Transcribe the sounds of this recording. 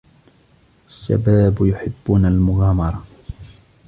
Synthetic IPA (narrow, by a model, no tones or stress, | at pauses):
ʔaʃːa̰baːbjʊħɪbːʊnalmʊɣaːmɑɾˤɑ